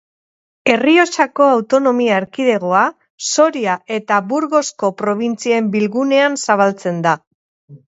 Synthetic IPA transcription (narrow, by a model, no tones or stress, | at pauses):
e̞rio̞t͡ʃako̞awt̪o̞no̞miaeɾkiðe̞ɣ̞oa | so̞ɾiaʔe̞t̪aβuɾɣo̞sko̞pɾo̞β̞int͡siembilɣune̞ansaβ̞alt͡se̞nd̪a